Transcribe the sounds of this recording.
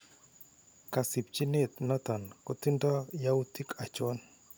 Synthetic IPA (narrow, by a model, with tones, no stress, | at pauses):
ka˨si˨p̚t͡ʃi˦ne˦˨t̪nɔ˦t̪a˨nkɔ˦t̪i˦ndɔ˦ja˦u˦ti˦kʰa˨t͡ʃɔ˦n